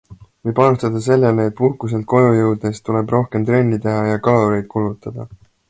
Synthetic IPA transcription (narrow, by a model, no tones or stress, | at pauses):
vɯjpɑnust̪ɑd̪̥ɑse̞lːeleːt̪̚ːˑpuhkus̬e̞lt̪̚ko̞jujɤwd̪̥̚est̪ule̞bro̞hke̞mt̪ɾe̞nʲːit̪e̞ɦɑjɑkɑloɾe̞jd̪̥̚kulut̪ːˑɑd̪̥ɑ